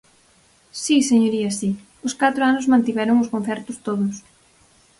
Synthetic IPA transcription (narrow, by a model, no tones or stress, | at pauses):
siseɲoɾiɐsi | ʊskat̪ɾoanʊzmãnt̪iβɛɾʊŋʊskõnθɛɾt̪ʊst̪oðʊs